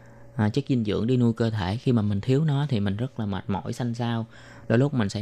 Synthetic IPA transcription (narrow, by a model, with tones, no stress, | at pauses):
ʔaː˨˩t͡ɕɨ˦˥ək̚zi˧nzɨ̰˧˨əŋɗi˧nu˧jkəː˧t̪ʰe˧˩xi˧maː˨˩mï˨˩ŋ̟t̪ʰi˨˦əwnɔ˨˦t̪ʰi˨˩mï˨˩ŋ̟zə˦˥t̚laː˨˩ma̰˨˩t̚mɔ̰˧˥jsa˧jŋ̟saː˧w | ɗo˧˩˦lʊ˦˥k͡p̚mï˨˩ŋ̟sɛ̰˧˥